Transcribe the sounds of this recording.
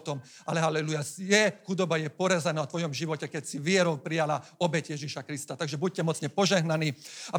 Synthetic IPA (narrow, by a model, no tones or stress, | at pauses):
t̪ɔm | alɛɦalɛlujasjɛxud̪ɔbajɛpɔɾazanaːɔt̪ʋɔjɔmʒiʋɔcɛkɛcsiʋɪɛɾɔʊpɾijalaɔbɛcjɛʒiʃakɾist̪at̪aɡʒɛbuc̚cɛmɔt͡sɲɛpɔʒɛɦnaniːa